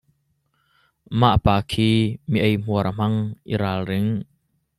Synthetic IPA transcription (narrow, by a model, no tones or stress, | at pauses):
ma̰ʔpaːkʰiːmiʔejm̥uəɾʔm̥ɐŋʔḭɾaːlrɪŋ